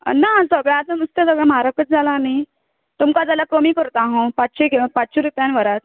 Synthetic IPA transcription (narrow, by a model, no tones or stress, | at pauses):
nasəɡɭaːt̪anust̪ẽsəɡɭamaɾakət͡sd͡zalani | t̪umkad͡zalakɾomikəɾt̪aɦɔ̃patɕekpat͡sɕeɾupjãnʋəɾat̪̚